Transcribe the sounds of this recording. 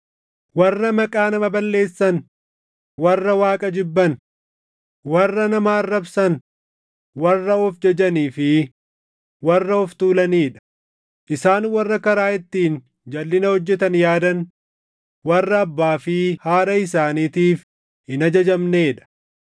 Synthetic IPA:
wɐrːɐmɐkʼaːnɐmɐbɐlːe̞ːsːɐn | wɐrːɐwaːkʼɐd͡ʒɪbːɐn | wɐrːɐnɐmaːrːɐbsɐn | wɐrːɐɔfd͡ʒɐd͡ʒɐniːfɪ | wɐrːɐɔft̪uːlɐniːᶑɐ̥ | ʔɪsaːnwɐrːɐkɐɾaːʔɪt̪ːiːn | d͡ʒɐlːɪnɐhɔd͡ʒːɛt̪ɐnjaːd̪ɐn | wɐrːɐːbːaːfɪhaːɾɐɪs̬aːniːt̪iːf | ɪnɐd͡ʒɐd͡ʒɐmneːᶑɐ̥

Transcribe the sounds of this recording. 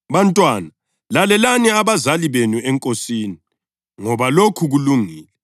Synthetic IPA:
βantʼwaːna | lalɛlaniaβazaliβenuɛŋkʼosiːni | ŋɔβalokʰuɣuluŋiːlɛ

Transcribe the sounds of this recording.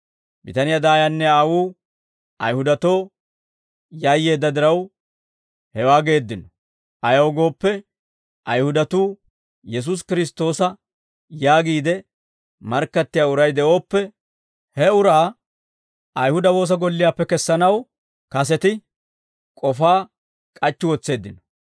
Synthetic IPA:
bɪt̪ɐnɪjad̪aːjanːɛaːwuː | ʔɐjhʊd̪ɐt̪o̞ː | jajːe̞ːd̪ːɐd̪ɪɾɐw | hɛwaːɡe̞ːd̪ːɪnɔ | ʔɐjɐwɡo̞ːpːɛ | ʔɐjhʊd̪ɐt̪uː | jɛs̬ʊs̬kɪɾɪst̪o̞ːsɐ | jaːɡiːd̪ɛ | mɐɾkːɐt̪ːɪjaːʊɾɐjd̪ɛʔo̞ːpːɛ | hɛʊɾaː | ʔɐjhʊd̪ɐwo̞ːs̬ɐɡɔlːɪjaːpːɛkɛsːɐnɐw | kɐsɛt̪ɪ | kʼɔfaː | kʼɐt͡ʃːɪwɔt͡sːe̞ːd̪ːɪnɔ̥

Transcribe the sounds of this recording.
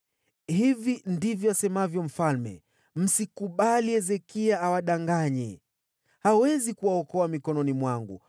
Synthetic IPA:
hivindivjɔasɛmavjɔm̩falmɛ̰ | m̩sikuɓaliɛzɛkiaawaɗaŋɡaɲɛ | hawɛzikuwaɔkɔamikɔnɔnimwaŋɡṵ

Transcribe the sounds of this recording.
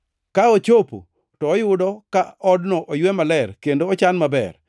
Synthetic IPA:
kaot͡ʃopo̰ | tɔːjʊdɔkaɔdnɔʔojwemalɛrkendoːt͡ʃanmabɛ̰r

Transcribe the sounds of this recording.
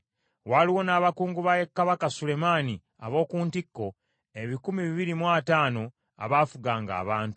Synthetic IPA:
waliwo̞naːβakuːŋɡuβajekːaβakasule̞mani | aβo̞ːkuːntikːo̞ | e̞βikumiβiβiɾimwaːtaːno̞ | a̰βaːfuɡaːŋɡa̰ːβaːntu̥

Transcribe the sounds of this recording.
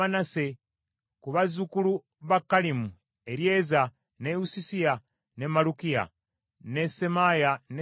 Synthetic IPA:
anase̞ | kuβazukulu | βakːalimu | e̞ɾje̞ːza | neusisia | nemalukija̰ | ne̞se̞majane

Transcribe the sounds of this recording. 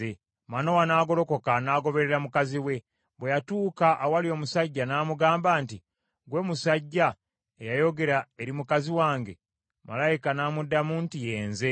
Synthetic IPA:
e | mano̞wanaːɡo̞lo̞ko̞kanaːɡo̞βe̞ɾe̞ɾamukaziwe̞ | βwe̞jatuːkaʔːwalio̞ːmusaɟːanaːmuɡaːmbaːnti | ɡwe̞ːmusaɟːa | ejajo̞ɡe̞ɾae̞ɾimukaziwaːŋɡe̞ | ma̰lajikanaːmudːamuːntije̞ːnze̞

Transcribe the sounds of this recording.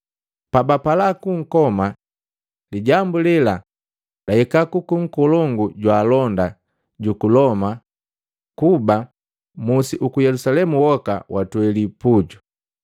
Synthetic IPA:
pabapalakuŋ̩kɔma | liɟambulila | daikakukuŋ̩kɔlɔŋɡuɟwaːlɔnda | ɟukulɔma | kuba | musiʔukujɛlusalɛmuwɔka̰wʔatwɛlipuɟu

